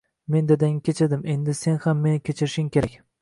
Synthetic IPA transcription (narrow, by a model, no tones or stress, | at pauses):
me̞nd̪ed̪ɪŋkʲʰet͡ʃʰɪɾd̪ɪme̞nd̪ɪse̞nhamːe̞nɪkʲʰet͡ʃʰɪɾɪʃɪŋkʲe̞ɾakʲ